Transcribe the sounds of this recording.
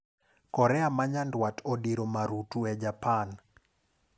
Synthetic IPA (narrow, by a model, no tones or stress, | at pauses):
kɔɾɛamaɲandwatodiɾomaɾutuɛd͡ʒapan